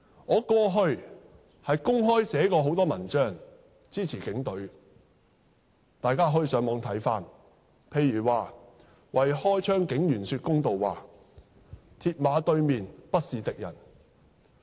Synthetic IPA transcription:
ŋɔː˨˧kɔː˧ɦɵ˧ɥ | hɐ˨jkʊ˥ŋɦɔː˥jsɛː˨˥kɔː˧ɦo˨˥wt̪ɔː˥mɐ˨˩nt͡ʃœː˥ŋ | t͡siː˥t͡sʰiː˨˩kɪ˨˥ŋt̪ɵ˨˥ɥ | t̪aː˨jkaː˥ɦɔː˨˧˥ji˧sœː˨˥ŋmɔː˨˧ŋt̪ʰɐ˨˥jfaː˧n | pʰe˧jːyː˨˩waː˨ | wɐ˨jhɔː˥jt͡ʃʰœː˥ŋkɪ˨˥ŋjyː˨˩nsyː˧t̚kʊ˥ŋt̪o˨wwaː˨ | t̪ʰiː˧t̚maː˨˧t̪ɵ˧ɥmiː˨npɐ˥t̚siː˨t̪ɪ˨k̚jɐ̰˨˩n

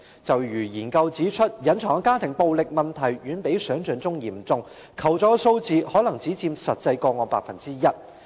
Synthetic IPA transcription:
t͡sɐ˨˩wjyː˨˩jiː˨˩nkɐ˧wt͡siː˨˥t͡ʃʰɵ˥t̚jɐ˨˥nt͡sʰɔː˨˩ŋkaː˥t̪ʰɪ˨˩ŋpo˨wlɪ˨k̚mɐ˨˩nt̪ʰɐ˨˩jɥyː˨˥npe˨˥jsœː˨˥ŋt͡sœː˨nt͡sʊ˥ŋjiː˨˩mt͡sʊ˧ŋ | kʰɐ˨˩wt͡sɔː˨˥so˧wt͡siː˨hɔː˨˥lɐ˨˩ŋt͡siː˨˥t͡siː˧msɐ˨t̚t͡sɐ˧jkɔː˧ŋɔː˨˧˥paː˨k̚fɐ˨nt͡siː˥jɐ˥t̚

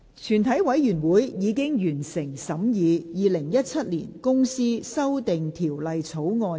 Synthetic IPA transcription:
t͡ʃʰyː˨˩nt̪ʰɐ˨˥jwɐ˨˥jjyː˨˩nwuː˨˥jjiː˨˧kɪ˥ŋjyː˨˩nsɪ˨˩ŋsɐ˨˥mjiː˨˧jiː˨˧lɪ˨˩ŋjɐ˥t̚t͡sʰɐ˥t̚liː˨˩nkʊ˥ŋsiː˥sɐ˥wt̪ɪ˨ŋt̪ʰiː˨˩wlɐ˨˧jt͡sʰo˨˥wŋɔː˧

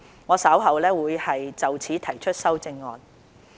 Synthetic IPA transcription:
ŋɔː˨˧sɐ˨˥wɦɐ˨˧wlɛː˥wuː˨˧jhɐ˨jt͡sɐ˨wt͡sʰiː˨˥t̪ʰɐ˨˩jt͡ʃʰɵ˥t̚sɐ˥wt͡sɪ˧ŋːɔː˨n̚

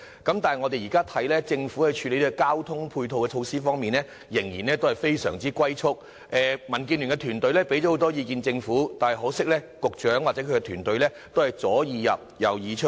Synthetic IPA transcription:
kɐ˨˥mt̪aː˨nhɐ˨ŋɔ˨˧e˨jiː˨˩kaː˥t̪ʰɐ˨˥jlɛː˥t͡sɪ˧ŋfu˨˥hɵ˨˧t͡ʃʰyː˨˧le˨˥jli˥kaː˥wt̪ʰʊ˥ŋpʰuː˧jt̪ʰo˨˧wkɛ˧t͡ʃʰo˧wsiː˥fɔː˥ŋmiː˨nlɛː˥ | jɪ˨˩ŋjiː˨˩nlɛː˥t̪o˥whɐ˨˩jfe˥jsœ̰ː˨˩ŋt͡siː˥kʷɐ˥jt͡ʃʰʊ˥k̚ | ʔɛː˨˧mɐ˨˩nk̬iː˧nyː˨˩ŋkɛ˧t̪ʰyː˨˩nt̪ɵ˧ɥlɛː˥pe˨˥jt͡ʃɔ˨˥ho˨˥wt̪ɔː˥jiː˧kiː˨˧nt͡sɪ˧ŋfuː˨˥t̪aː˨nhɐ˨jɦɔː˨˥sɪ˥k̚lɛː˥ | kʊ˨k̚t͡ʃœː˨˥ŋwa˨t͡sɛ˨˧˥kʰɵ˧kɛ˧t̪ʰyː˨˩nt̪ɵ˧ɥlɛː˥ | t̪o˥whɐ˨˩jt͡sɔː˨˥jiː˧jɐ̰˨p̚jɐ̰˨˩wjiː˨˧t͡ʃʰʊ˥

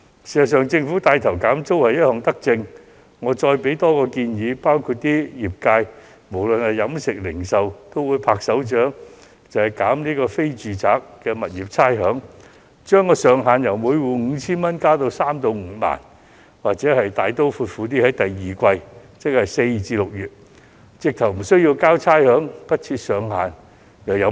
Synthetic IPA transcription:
siː˨˩sɐ˨˩sœː˨˧ŋt͡sɪ˧ŋfuː˨˥t̪aː˧jt̪ʰɐ˨˩wkaː˨˥mt͡so˥whɐ˨jɐ˥t̚hɔː˨˩ŋt̪ɐ˥k̚t͡sɪ˧ŋ | ŋɔː˨˧t͡ʃɔː˧jpe˨˥jt̪ɔː˥kɔː˧kiː˧njiː˨˧paː˥wkʰuː˧t̚t̪iː˥jiː˨˩p̚kaː˧j | mo˨˩wlɵ˨nhɐ˨jjɐ˨˥msɪ˨k̚lɪ̰˨˩ŋsɐ˨wt̪o˥wuː˨˧˥jpʰaː˧k̚sɐ˨˥wt͡ʃœː˨˥ŋ | t͡sɐ˨˩hɐ˨jkaː˨˥mniː˥kɔː˧fe˥jt͡syː˨t͡saː˨k̚ːɛː˧mɐ˨t̚jiː˨p̚t͡sʰaː˥jɦœː˨˥ŋ | t͡ʃœː˥ŋkɔː˧sœː˨˧ŋɦaː˨njɐ˨˩wmuː˨˧jwuː˨˧ŋ̩˨˧˥t͡sʰiː˥nmɐ˥nkaː˥wt̪o˧wsaː˥mt̪o˨˧wŋ̩ː˨˧˩ma̰ː˨˩n | waː˨k̚t͡sɛː˨˥hɐ˨jt̪aː˨jt̪o˥wfuː˧t̚fuː˨˥t̪iː˥hɐ˨˥jt̪ɐ˨jːiː˨kʷɐ˧jt͡sɪ˥k̚hɐ˨jse˧jt͡siː˧lʊ˨k̚jyː˨˩t̚ | t͡sɪ˧k̚t̪ʰɐ˨˩wm̩˨˩sɵ˥ɥji˧wkaː˥wt͡sʰaː˥jhœː˨˥ŋpɐ˥t̚t͡sʰiː˧t̚sœː˨ŋɦa̰ː˨n | jɐ˨˩wjɐ˨˥

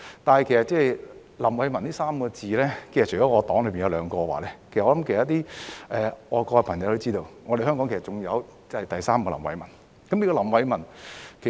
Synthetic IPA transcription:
t̪aː˨nhɐ˨jkʰe˨˩sɐ˨t̚t͡sɛː˥˨jlɐ˨˩mwɐ˨˧jmɐ˨˩nt̪iː˥saː˥m˧kɔ˧t͡siː˨lɛː˥kʰsɐ˨t͡ʃʰjɔː˨˥ŋɔː˨˧t̪ɔː˨˥ŋlɵ˨˧ɥpiː˨njɐ˧wlœː˨˧ŋkɔː˧wa̰ː˨˩lɛː˦˥kʰe˨˩sɐ˩ʔɔː˧˥lɐ˦˥mkʰːt̪iː˥ʔɛː˨˧ɔː˨˧kɔː˧ɛ˧pʰɐ˨˩ŋjɐ˧wt̪o˥wt͡siː˥t̪o˧wŋɔ˨˧ɾe˨jhɦœː˥ŋkɔː˨˥ŋke˨˩sɐ˨tt͡sʊ˨˩ŋjɐ˨˧wt͡sɐ˥hɐ˨jt̪ɐ˨jsaː˥m˧kɔ˧lɐ˨˩mwɐ̰˨˧jmɐ˨˩n | kɐ˨˦mnliː˥kɔː˧lɐ˨˩mwɐ˨˧jmɐ˨˩nkʰe˨˩

